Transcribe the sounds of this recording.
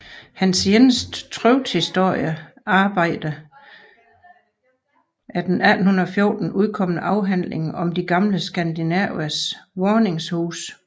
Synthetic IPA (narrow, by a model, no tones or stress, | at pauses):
hænsjenəsd̥t͡sʰʁœʊd̥hisd̥o̝ɐ̰jə | ɑ̈ːb̥ɑ̈ɪ̰d̥ə | ʔæɐd̥enæd̥n̩hun̩ˠɒfjo̝ːd̥n̩ʔuð̞ˠkʰɒ̽m̰ənəʔɑ̈ʊɦæn̰leŋɒ̽md̥iɡ̥ɑ̈mləsɡ̥ænd̥inæʊæsʋɒːne̝ŋshuːs